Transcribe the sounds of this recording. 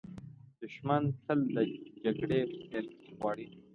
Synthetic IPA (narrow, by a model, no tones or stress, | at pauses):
d̪̥ʊʃmant̪ʰəld̪əd͡ʒaɡɽeenɣwɑːɽi